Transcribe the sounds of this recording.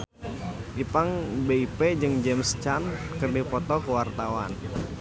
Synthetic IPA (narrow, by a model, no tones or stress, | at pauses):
ipaŋbeiped͡ʒɨŋd͡ʒɛmst͡ʃankərdipɔt̪ɔkəwart̪awa̰n